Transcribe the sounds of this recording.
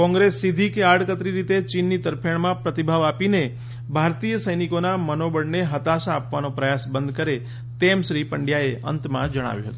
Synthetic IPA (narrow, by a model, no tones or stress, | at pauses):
kɔ̃ŋɡɾesːid̪ʱikeaɽkət̪ɾiɾit̪et͡ʃinːit̪əɾpʰəɳmãpɾət̪ibʱaʋapine | bʱaɾt̪ijəsəjnikonamənobəɽneɦət̪aʃaːpʋanõpɾəjasbənd̪̚ʱkəɾe | t̪emʃɾipəɳɖjaeʔə̰nt̪mã̰d͡ʒəɽ̃a̰ʋjṵ̃ɦət̪ũ